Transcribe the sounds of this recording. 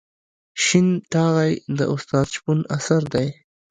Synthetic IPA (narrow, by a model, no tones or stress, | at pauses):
ʃinʈɑɣajd̪ə̰ʔʊst̪ɑd̪ʃpunasaɾd̪aj